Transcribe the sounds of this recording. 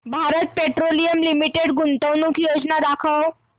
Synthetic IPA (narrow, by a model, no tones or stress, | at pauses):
bʱaɾət̪̚peʈɾolijəmlimiʈeɽɡunt̪əwnukjod͡ʑnad̪akʰəw